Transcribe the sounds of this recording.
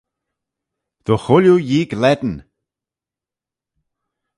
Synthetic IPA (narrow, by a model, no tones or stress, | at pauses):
ð̥ɔxʊljujiːɡlɛd̪n̩